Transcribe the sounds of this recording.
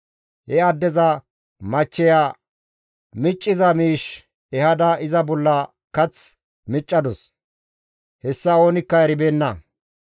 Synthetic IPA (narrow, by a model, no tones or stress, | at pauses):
hɛɐd̪ːɛzɐ | mɐt͡ʃːɛjaː | mɪt͡ʃʼːɪzɐmiːʃ | ɛhɐd̪ɐʔɪzɐbɔlːɐ | kɐt͡s | mɪt͡ʃʼːɐd̪ɔs | hɛsːɐo̞ːnɪkːɐɛɾɪbeːnːɐ